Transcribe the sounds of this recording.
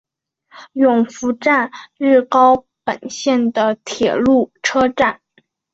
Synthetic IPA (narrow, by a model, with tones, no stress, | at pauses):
jʊ˨˩ŋfu˧˥ʈ͡ʂa˥˧nɻ̩˥˩kɑ˥ʊ | pə̰˨˩nɕjɛ˥˩nd̪ə˩t̪ʰjɛ˨˩lu˥˩ʈ͡ʂʰɤ˥ʈ͡ʂa˥˩n